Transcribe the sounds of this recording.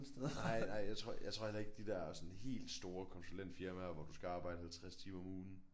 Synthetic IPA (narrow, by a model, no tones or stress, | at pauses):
nsd̥eðˠnɑɪ̰nɑ̈ɪ̰jɑ̈ɪt͡sʰʁo̝ɐjäɪt͡sʰʁoɐ̰helɐe̝ɡ̥̚d̥id̥æɐæɐsɒ̽nhe̝̰ːld̥sd̥o̝ːɐkʰɒ̽nsulen̰d̥fiɐmæɐʋɒd̥usɡ̥æɑ̈ːb̥ɑ̈ɪdəhælt͡sʰʁast͡sʰiːmɐɔ̽muːn̩